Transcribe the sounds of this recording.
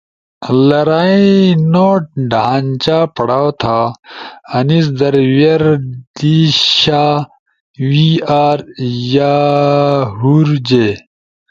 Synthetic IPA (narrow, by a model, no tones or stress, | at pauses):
lɐɾaːĩnoːʈ̚ɖʱaːnt͡ɕaːpɐɽaːwt̪ʰaː | ɐnis̬d̪ɐɾwjɐɾd̪̥iɕa | wiaːɾja | ɦuɾd͡ʑeː